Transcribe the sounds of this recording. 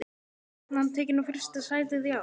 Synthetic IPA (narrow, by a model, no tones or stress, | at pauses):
nant̪ʰɛːcɪnafɪr̥st̪asaːjt̪ɪðja